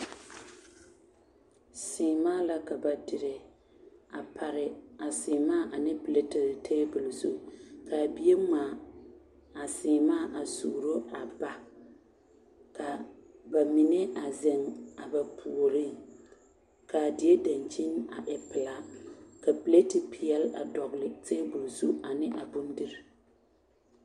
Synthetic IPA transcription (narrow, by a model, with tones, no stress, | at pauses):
sɪː˨maː˦la˦ka˨ba˨dɪ˨ɾɪ˨ | a˨pʰa˨ɾɪ˨a˨sɪː˨maː˦ʔa˨nɪ˦ple˦tɪ˨ltʰe˦bʊ˨lzṵ˦ka˨bi˦e˦ma˨ | a˨sɪː˨maː˦˨ʔa˨suː˨ɾo˦a˨ba˨ | ka˨ba˨mi˨ne˦a˨zɪ˨ŋa˨ba˨pʰu˨o˨ɾi˦ | ka˨dɪ˨je˦da˨nt͡ʃi˦na̰˨ʔɛ˨pɪ˨la˦ka˨pɪ˨le˦tɪ˨pʰɪ˨jɛ˦la̰˨dɔ˨ɣlɪ˨te˦bʊ˨lzu˦a˨nɪ˦ʔa˨bʊ˦n˦di˦ɾɪ˨